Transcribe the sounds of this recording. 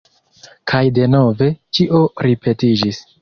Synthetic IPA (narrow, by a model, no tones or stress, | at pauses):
kʰajde̞no̞ve̞t͡ʃiʔo̞ɾipʰe̞tid͡ʒis